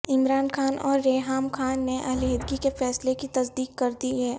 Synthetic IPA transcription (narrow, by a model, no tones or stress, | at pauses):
ɪmɾaːnxaːnʔɔːɾːeːɦaːmkʰaːnːeʔɐɦleɦed̪ɡikefɛːslekit̪ɐsd̪iːkːɐɾd̪iɦɛː